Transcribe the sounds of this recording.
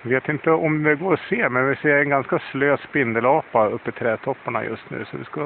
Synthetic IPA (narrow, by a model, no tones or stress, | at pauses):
veːt̪ɪnt̪əɔmd̪ɛɡoːɾɔseːmɛnvɪseːɾɛnɡanskasløːspɪnd̪əlɑːpːaɵpːɪt̪ʰɾɛːt̪ʰɔpːaɳa̰jɵ̰st̪nʉ̰ːsɔʋɪ̰skɑ